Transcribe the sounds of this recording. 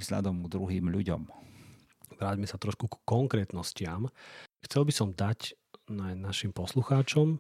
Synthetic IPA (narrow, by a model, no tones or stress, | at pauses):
vz̥ʎa̰d̪ɔmɡd̪ɾuɦiːmʎuɟɔ̰m | ʋɾaːɟmɛsat̪ɾɔʃkukkːɔŋkɾɛːt̪nɔscɪamxt͡sɛlbisɔmd̪ac | nanaʃimpɔsluxaːt͡ʃɔm